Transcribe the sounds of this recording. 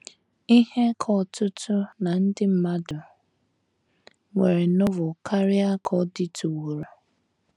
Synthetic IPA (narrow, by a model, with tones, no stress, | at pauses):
i˦he˦kʰɔ˦˨tʊ˦tʰʊ˦na˨n̩˦dɪ˦m̩˦ma˦dʊ˨ | ŋʷe˨ɾe˨nʊ˦vʊ˨ka˦ɾɪ˦a˦kʰɔ˦dɪ˦tʰu˨wu˨ɾo˨